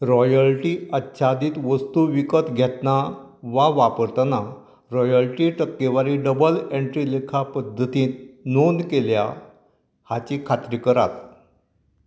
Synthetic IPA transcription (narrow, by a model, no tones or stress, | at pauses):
ɾɔjəlʈiːətːɕʰad̪iːt̪ʋəst̪uʋikət̪ɡʱɛt̪na | ʋaʋapəɾt̪əna | ɾɔjəlʈiːʈəkːeʋaɾiːɖəbəleɳʈɾilekʰapəd̪ʱːət̪ĩːt̪nonkelja̰ | hat͡ɕikʰat̪ɾikəɾa̰t̪